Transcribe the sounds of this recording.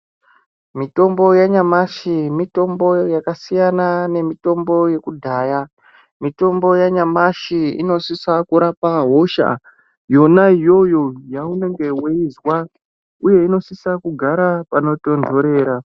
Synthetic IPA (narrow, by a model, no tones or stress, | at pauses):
mito̞mbo̞jaɲamaʃimito̞mbo̞jakasijanane̞mito̞mbo̞je̞kudʱaːja | mito̞mbo̞jaɲamaʃiḭno̞sisakuɾapaɦo̞ʃa̰ | jo̞naijo̞jo̞jaune̞ŋɡe̞weizwa | uje̞ino̞sisakuɡʱaɾapano̞to̞ndʱo̞ɾe̞ːɾa